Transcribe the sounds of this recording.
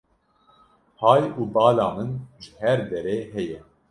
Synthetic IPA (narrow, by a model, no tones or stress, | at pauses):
hɑːjuːbɑːlɑːmɨnʒɨhɛɾd̪ɛɾeːɦɛjɛ